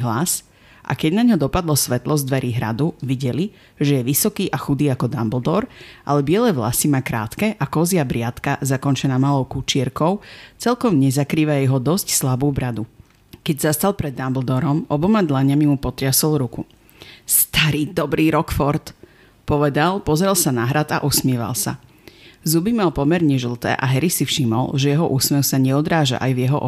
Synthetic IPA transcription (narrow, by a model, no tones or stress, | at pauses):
ɦlas | ʔa̰kɛɟnaɲɦɔd̪ɔpad̪lɔsʋɛt̪lɔzd̪ʋɛɾiɦɾa̰d̪uʋiɟɛli | ʒɛjɛʋisɔkiːʔaxud̪iːakɔd̪ambld̪ɔɾʔa̰lɛbɪɛlɛʋla̰simaːkɾa̰ːt̪kɛʔakɔziabɾɪat̪kazakɔnt͡ʃɛnaːmalɔʊkut͡ʃɪɛɾkɔʊt͡sɛlkɔmɲɛzakɾiːʋajɛɦɔd̪ɔscslabuːbɾad̪u | kɛɟzast̪alˠpɾɛd̪ːambl̩d̪ɔɾɔmɔbɔmad̪laɲamimupɔt̪ɾɪasɔlˠɾuku | st̪aɾiːd̪ɔbɾʔiːɾɔkfɔɾt̪ | pɔʋɛd̪alˠpɔzɾɛlsanaɦɾat̪a̰ʔusmɪɛʋa̰lˠsa̰ | zubimalˠpɔmɛɾɲɛʒl̩ˠt̪ɛ̰ːʔaɦɛɾisifʃimɔ̰lʒɛjɛɦɔʔusmɛxsaɲɛɔd̪ɾaːʒa̰ʔajvjɛɦɔʔɔ